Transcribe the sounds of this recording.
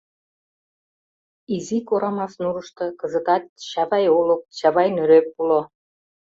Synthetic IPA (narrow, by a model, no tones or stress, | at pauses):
izikoɾɑmɑsnuɾəʃt̪ɤ̆kə̆zə̆t̪ɑt̪̚ɕɑβɑjolok̚ɕɑβɑjnøɾøpːulo